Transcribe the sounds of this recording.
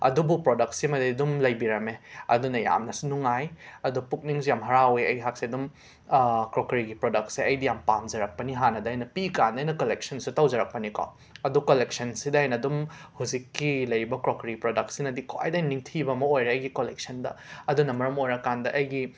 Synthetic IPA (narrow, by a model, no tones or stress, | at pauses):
ɐ̰dubupɾodɐk̚simɐdidumlɐjbiɾɐmeɐ̰dunɐja̰mnɐsinuŋajɐdupuk̚niŋsjamɦɐɾaweɐ̰jɡiɦak̚siɐdum | kɾokɾiɡipɾodɐk̚siɐjdijampanzɐɾɐk̚pɐniɦanɐdɐɐjnɐpikandɐjnɐkolek̚sɐnsutɐwzɐɾɐk̚pɐniko̰ | ɐdukolek̚sɐnsidɐːjnɐdumhuzikːilɐjɾibɐkɾokɾiɡipɾodɐk̚sinɐdikʰoa̰jdniŋtʰibɐmɐojɾeɐjɡikolek̚sɐndɐ̰ɐdunɐmɐɾɐmojɾɐkandɐʔɐjɡi